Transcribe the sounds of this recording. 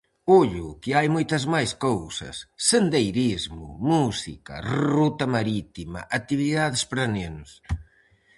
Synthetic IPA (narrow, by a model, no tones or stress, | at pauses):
uʎʊkɪajmojt̪ɐzmajskowsɐ̰sːend̪ejɾizmʊ̰musḭkɐ̰rrut̪ɐmaɾit̪imɐ̰ʔat̪iβiðaðespɾanenʊs